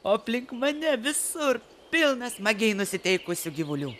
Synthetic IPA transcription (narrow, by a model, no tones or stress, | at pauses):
oːɐpʲlʲɪŋkmɐnʲɛʋʲɪsʊɾ | pʲɪlˠnɐsmɐɡʲɛɪnʊsʲɪt̪ʲɛɪkʊsʲʊɡʲɪʋʊlʲuː